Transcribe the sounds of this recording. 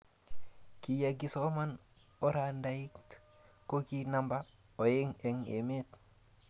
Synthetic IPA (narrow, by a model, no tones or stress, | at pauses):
kijaɡisoman | oɾandaikt | kokinamba | ojeŋeŋḛmet̪